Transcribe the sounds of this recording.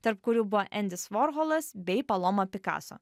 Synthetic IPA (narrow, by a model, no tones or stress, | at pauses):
t̪ɐɾpkʊɾʲuːbʊʋoʔɛnʲd̪ʲɪsʋɔːɾɦɔːlˠɐsbʲɛɪpɐlˠomopʲɪkɑ̰ːso̰ː